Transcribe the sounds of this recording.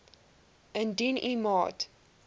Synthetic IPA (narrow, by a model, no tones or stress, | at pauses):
ə̃ndinimɑ̰t